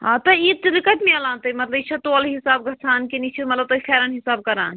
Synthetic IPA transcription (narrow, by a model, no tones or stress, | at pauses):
ɦãt̪ɐiːt̪ɾikət̪meɐlãːnt̪ɐmɐt̪ləbit͡ʃʰɐt̪oalɦisaːbɡʱɐt͡ʃʰaːnkinit͡ʃʰimɐt̪lɐbt̪oifʰɛːɾənɦisaːb̚kɐɾa̰ːn